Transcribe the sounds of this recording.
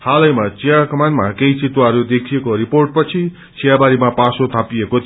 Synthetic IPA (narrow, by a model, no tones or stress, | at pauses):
hʰalʌjmat͡sijakʌmanmakejt͡sit̪waɾud̪ekʰijekoɾiporʈ̚pʌt͡sʰi | t͡sijabaɾimapasot̪ʰapiekot̪